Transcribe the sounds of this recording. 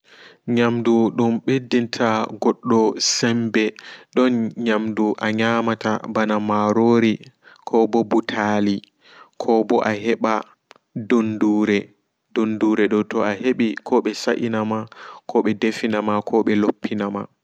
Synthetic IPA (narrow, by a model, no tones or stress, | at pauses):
ɲamduɗunɓedintʰaɡɔɗːɔsɛmbɛɗɔnɲamduʔaɲaːmatabanamaɾoɾikʰɔbɔbutʰali | kʰɔbɔʔaɦɛɓa | donduːɾɛ | donduɾɛɗɔtɔaɦeɓikʰɔɓɛsaʔinamakʰɔɓɛdefinamakʰɔɓɛlopʰːinama